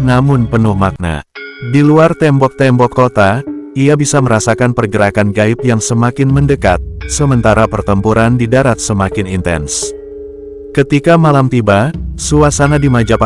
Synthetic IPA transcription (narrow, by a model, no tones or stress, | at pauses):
namʊnpənʊhmak̚na̰diluart̪ɛmbɔk̚t̪ɛmbɔkːot̪aiabisaməɾasakanpərɡəɾakanɡaɪp̚jaŋsəmakɪnməndəkat̪̚səmənt̪aɾapərt̪əmpuɾandidaɾat̪̚səmakɪnint̪ɛ̰ns | kət̪ikamalamt̪ibasuasanadimad͡ʒap